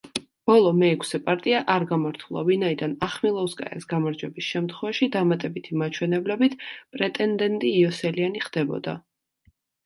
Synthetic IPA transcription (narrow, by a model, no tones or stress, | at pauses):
b̥ɔlˠɔmɛɛkʰsɛpʼaɾt̪ʼiaʔaɾɡamaɾt̪ʰulˠa̰vinaid̪anaχmilˠɔuskʼa̰ɛ̰sɡamaɾd͡ʒwɛbisʃɛmt̪ʰχwɛvaʃid̪amat̪ʼɛbit̪ʰimat͡ʃʰwɛnɛblɛbit̪ʰpʼɾɛt̪ʼɛnd̪ɛnt̪ʼiːɔsɛlianiχd̪̥ɛbɔ̰d̪a̰